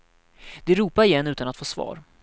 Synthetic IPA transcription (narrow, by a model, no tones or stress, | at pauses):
d̪̥ɛɾuːpaɾɪjɛnːʉ̟ːt̪anat̪foːsvɑ̰ːɾ